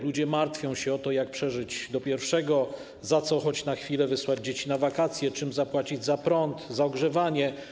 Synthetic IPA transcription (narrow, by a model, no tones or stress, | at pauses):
lud͡ʑɛmaɾt̪fʲjɔ̃w̃ɕɛɔt̪ɔjak̚pʂɛʐɘd͡ʑd̪ɔpʲjɛɾfʂɛɡɔ | zat̪sɔxɔt͡ɕnaxfʲilɛvɘswad͡ʑd͡ʑet͡ɕinavakat̪sʲjɛt͡ʂɘmzapwat͡ɕid͡ʑzapɾɔnt̪zaɔɡʐɛvaɲɛ